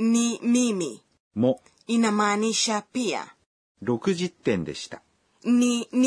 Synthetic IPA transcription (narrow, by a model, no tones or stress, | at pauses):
nimimi | mo | inamaniɕapia̰ | ɾo̞kɯ̟ʑit̪ːẽ̞nd̪e̞ɕi̥t̪ḁ | nin